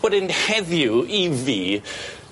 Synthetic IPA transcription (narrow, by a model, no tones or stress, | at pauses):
əɾɪnhɛðjuiði